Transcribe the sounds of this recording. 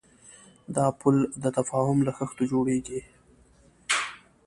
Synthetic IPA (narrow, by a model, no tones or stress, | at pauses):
d̪ɑpʊld̪ət̪afɑhʊmlaxəxt̪od͡ʒoɽeɡi